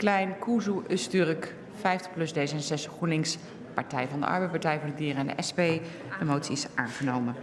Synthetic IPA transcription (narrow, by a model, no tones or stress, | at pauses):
klɛjnkuzuʔəstyrək | fɛjftə̥plɵzdejzəɛnzɛsχunɪŋs | pɑɹtɛjvɑndə̰ʔɑ̰ɹbɛjpɑɹtɛjvʊːɹdədiːɾəɛndə̰ʔɛspej | dəmowtsiɪsʔaːnχənowmən